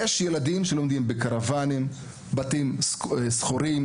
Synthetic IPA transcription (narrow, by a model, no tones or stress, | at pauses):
jeʃjeladimʃelo̞md̪imbekaʁavanim | batimsχoɾim